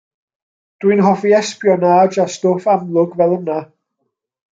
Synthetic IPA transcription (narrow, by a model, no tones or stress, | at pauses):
d̥wɨnɦɔviɛspjɔnaːd͡ʒastoːfamlˠʊɡvɛlˠəna